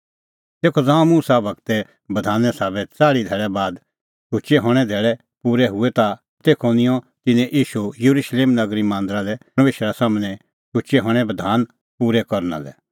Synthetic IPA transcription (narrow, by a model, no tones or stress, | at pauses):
t̪eːkʰod͡zãːõmuːsabɐkt̪ɛ | bɐd̪ʱaːnːɛsaːbɛt͡saːɽid̪ʱɛːɭɛbaːd̪ | ʃʰʊt͡ʃɛɦɔːɽ̃ɛd̪ʱeːɭɛ | puːɾɛɦʊɛt̪a | t̪eːkʰonɪ̃jɔ̃ | t̪ɪnɛ̃ʔiːʃujɐɾuʃleːmnɐɡɾimãːnd̪ɾalɛɐmeːʃɾasaːmnɛ̃ | ʃʰʊt͡ʃɛɦɔ̃ːɽ̃ɛbɐd̪ʱaːn | puːɾɛkɔɾna̰lɛ̰